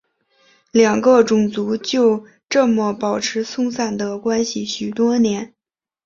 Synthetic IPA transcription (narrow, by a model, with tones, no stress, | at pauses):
ljɑ˨˩ŋɡə˥˧ʈ͡ʂʊ˨˩ŋt͡su˧˥t͡ɕjo˥˧ʊ | ʈ͡ʂɤ˥˩mə˩pɑ˨˩ʊʈ͡ʂʰɻ̩˧˥sʊ˥˧ŋsa˥˩nd̪ə˩kwa˥nɕi˨˩ɕy˨˩t̪wɔ˥njɛ˧˥n